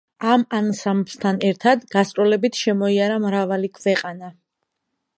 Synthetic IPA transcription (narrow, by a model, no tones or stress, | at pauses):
amansambst̪ʰanɛɾt̪ʰad̪ɡast̪ʼɾɔlɛbit̪ʰʃɛmɔiaɾamɾavalikʰwɛqʼana